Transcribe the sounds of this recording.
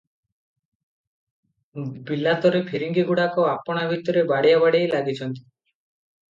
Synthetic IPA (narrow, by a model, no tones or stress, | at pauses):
bilat̪ɔɾepʰiɾiŋɡiɡuɽakɔapɔɽ̃abʱit̪ɔɾebaɽijabaɽejlaɡit͡ʃʰɔnt̪i̥